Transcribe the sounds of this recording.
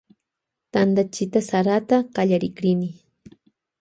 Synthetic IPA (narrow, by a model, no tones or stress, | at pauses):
t̪and̪at͡ʃɪt̪asaɾat̪aqaʎaɾɪkɾɪnɪ